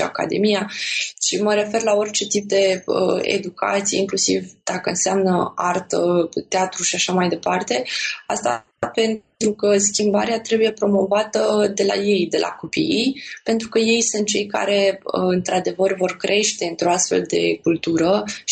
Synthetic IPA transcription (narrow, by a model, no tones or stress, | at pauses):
a̰ka̰d̪e̞̰mijaʃiməɾe̞fe̞rlao̞rʲt͡ʃe̞t̪ip̚d̪e̞ə̰ḛd̪uka̰t̪sijḛiŋklusḭvd̪̥akəɨnseamnəart̪ət̪eat̪ɾuʃiaʃamajd̪e̞part̪e̞ast̪a̰ | pe̞nt̪ɾukəskʲimba̰ɾeat̪ɾe̞buje̞pɾo̞mo̞vat̪əd̪e̞la̰je̞jd̪e̞lʔa̰ko̞pḭjpe̞nt̪ɾukəje̞jsunt̪̚t͡ʃe̞jka̰ɾe̞əɨnt̪ɾad̪e̞vərvo̞rkɾʔe̞ʃt̪e̞ɨnt̪ɾo̞ast̪fe̞̰ld̪e̞̰kult̪uɾə